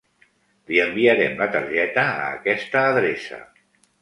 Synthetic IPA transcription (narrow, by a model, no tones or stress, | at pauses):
liəmbiaɾɛmlat̪aɾʒɛt̪ə̰ːkɛst̪aːðɾesa̰